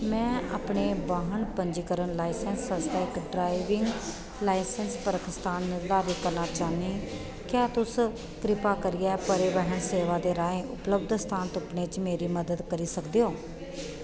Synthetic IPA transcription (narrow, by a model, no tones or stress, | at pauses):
mɛ̃ːaːpɳeːbaːɦəɳpəɲd͡ʒiːkəɾəɳlaːisɛnsəsʈɛːkɖɾaːɪʋɪŋɡ | laːɪsɛnspəɾkɪst̪aːnːlaːʋiːkəɾnaːt͡ʃaːniː | kjaːt̪ʊs | kɾɪpaːkəɾɪjaːpəɾeːʋəɦəɳseːʋaːd̪eːɾaːẽːʔʊpləb̚d̪st̪ʰaːnt̪ʊpɳeːt͡ʃmeːɾiːməd̪əd̪kəɾiːsəkd̪eːɦoː